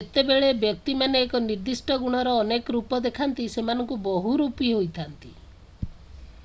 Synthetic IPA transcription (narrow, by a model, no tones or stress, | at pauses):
et̪ebeɭebjɔk̚t̪imaneːkɔniɾd̪isʈɔɡuɽ̃ɔɾɔːnekɔɾupɔd̪ekʰant̪isemanɔŋkubɔɦuɾupiɦojt̪ʰant̪i